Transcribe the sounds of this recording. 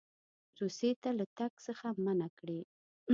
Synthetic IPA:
ɾuset̪alat̪aksəxamanakɽe

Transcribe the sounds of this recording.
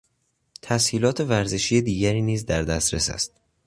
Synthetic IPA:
t̪ʰæshiːlɒːt̪ʰe̞væɾze̞ʃijed̪iːɟæɾiːniːzd̪æɾd̪æst̪ɾesæ̰st̪̚

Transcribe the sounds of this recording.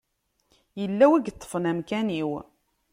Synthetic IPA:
jəlːæwæɡt̪ˤːə̥fənæmkæniw

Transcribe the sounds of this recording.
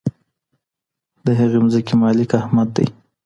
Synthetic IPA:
d̪əɦaɣemzəkimɑlɪkahmad̪ːa̰j

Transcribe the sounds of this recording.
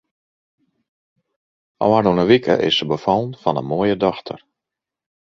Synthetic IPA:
ʔɔ̰warnunəʋikʰə̰ʔɪ̰səbəfɔlˠnfɔnə̰moəjədɔxtʰə̰r

